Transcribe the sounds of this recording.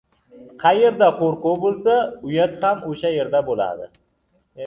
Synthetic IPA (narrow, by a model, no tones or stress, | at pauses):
qʰɑje̞ɾd̪aqʰoɾqowbolˠsaʊjat̪hamoʃaje̞ɾd̪abola̰d̪ɪ̰